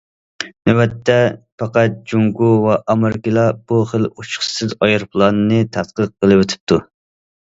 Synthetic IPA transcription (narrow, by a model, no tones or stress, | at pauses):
nøwɛt̪ʰːɛpɑqæt̪̚d͡ʒuŋɡuwɛʔɑmɨɾkʲilˠɑb̥uχəlut͡ʃʰχsɨzɑjɨɾpʰlˠɑnɨnɨt̪ʰɑt̪qəq̚ːəlˠɨwøt̪ʰɪ̥p̚t̪ʰu